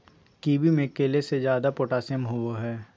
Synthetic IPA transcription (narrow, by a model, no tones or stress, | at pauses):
kiːbimẽkeːlesed͡ʒjaːd̪apoːʈaːsɪəmɦʊwoɦɛː